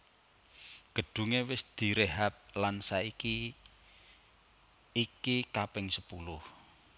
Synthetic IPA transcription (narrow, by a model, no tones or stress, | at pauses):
ɡ̥ə̤ɖ̥ṳŋewɪsd̪̥i̤ɾeɦap̚lansaiki | kikapɪŋsəpulʊh